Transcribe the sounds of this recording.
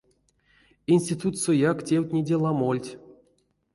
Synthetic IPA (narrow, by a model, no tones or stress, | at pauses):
inʲsʲtʲit̪ut̪sojaktʲewʲtʲnʲidʲelˠamolʲtʲ